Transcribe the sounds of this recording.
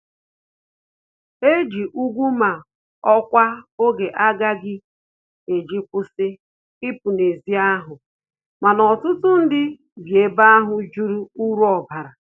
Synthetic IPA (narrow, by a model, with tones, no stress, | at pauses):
e˦d͡ʒi˨ʔu˦ɡʷu˦ma˨ | ɔ˦kʷa˦o˦ɡe˨ʔa˦ɡa˦ɡɪ˦ | e˨d͡ʒi˦kʷʊ˦sɪ˦ | ɪ˦pu˨ne˨zi˦a˦ɦʊ˨ | ma˨nɔ˨tʊ˦tʊ˦n̩˦dɪ˦ | ɡje˨ba˦a˦ɦʊ˨d͡ʒu˦ɾu˦u˦ɾu˦ɔ˨ba˨ɾa˨